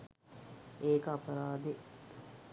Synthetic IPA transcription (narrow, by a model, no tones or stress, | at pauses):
eːkəɐpɐɾaːd̪e